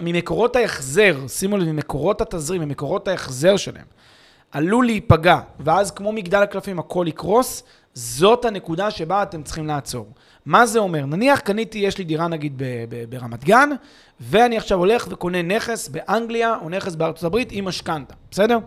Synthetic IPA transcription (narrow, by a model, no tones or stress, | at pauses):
mimeko̞ʁo̞tajaχze̞ʁsimolimimeko̞ʁo̞that̪azʁimimeko̞ʁo̞thajeχze̞ʁʃela̰ḛm | alulipaɡaveazkmo̞miɡd̪alaklafimakʰo̞likʁo̞s | zo̞thane̞kud̪aʃe̞baːt̪e̞mt͡sχimlaːt͡so̞̰ʁ | maze̞o̞me̞ʁnaniaχkanit̪ijeʃlid̪iʁanaɡid̪̚bebebeʁamat̪ɡan | ve̞aniaχʃavo̞le̞χve̞ko̞ne̞ne̞χesbe̞ʔaŋɡliaʔone̞χesbeaʁt͡so̞tabʁit̪imaʃkantḁbese̞deʁ